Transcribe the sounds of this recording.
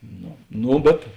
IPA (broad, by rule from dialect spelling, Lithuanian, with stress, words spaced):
ˈnoː ˈnoː bʲɛt